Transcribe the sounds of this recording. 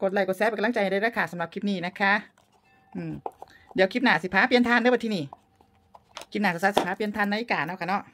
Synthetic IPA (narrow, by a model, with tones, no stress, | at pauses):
ko˧t̪̚la˧˩ko˧˩t̪̚sɛː˧˥p̚ːkla˧˥˨t͡ɕa˧˩hda˧˩jɾaː˧kʰaː˧˩sa˨˦mla˧p̚kʰi˧˥p̚niː˧˩na˦˥kʰa˦˥ | ʔɯː˧˩m | di˨˦əwkʰi˧˥p̚naː˧˩si˧˩pʰaː˧˥pi˧ənt̪ʰaː˧˥˨nː˧˦˥wt̪ʰːniː˧˩ | kʰi˧˥˩naː˧˩a˧˩sa˧˥si˧˩pʰaː˧˥pi˧ənt̪ʰaː˧˩˨na˧liː˧kaː˨˩˨naː˧˩wkʰa˧˩nɔ˧˥ʔ